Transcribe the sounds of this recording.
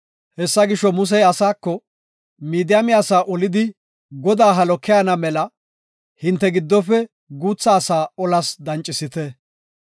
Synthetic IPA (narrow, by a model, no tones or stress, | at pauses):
hɛsːɐɡɪʃɔmʊs̬ɛjɐsaːkːɔ | miːd̪ɪjɐmɪjaːsaːʔɔlɪd̪ɪ | ɡɔd̪aːɦɐlɔkːɪjanɐmɛlɐ | hɪnt̪ːɛɡɪd̪ːɔfɛ | ɡuːt͡sːaːsaːɔlɐsd̪ɐnt͡ʃʼːɪsɪt̪ɛ